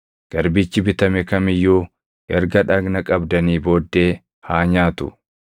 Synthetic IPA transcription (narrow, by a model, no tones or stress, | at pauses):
ɡ̥ɐɾbit͡ʃːɪbɪt̪ɐmɛkɐmɪjːuː | ʔɛɾɡɐᶑɐɡnɐkʼɐbd̪ɐniːbo̞ːd̪ːe̞ː | haːɲaːt̪ʊ̰